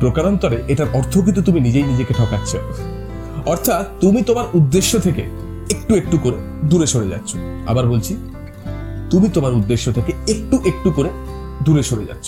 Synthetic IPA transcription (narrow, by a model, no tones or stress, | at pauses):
pɾokaɾont̪ɔɾeʔeʈaɾʔɔɾt̪ʰok̬it̪̬ot̪uminid͡ʑejnid͡ʑekeʈʰɔkatːɕʰe | ɔɾt̪ʰat̪t̪umit̪omaɾud̪ːeʃːot̪ʰekḛ | ek̚ʈuek̚ʈukoɾe | d̪uɾeʃoɽed͡ʑa̰tːɕʰo̥a̰baɾbolt͡ɕʰi | t̪umit̪omaɾud̪ːeʃːot̪ʰekeek̚ʈuʔek̚ʈukoɾe | d̪uɾeʃoɽed͡ʑa̰t̪ːɕʰo̥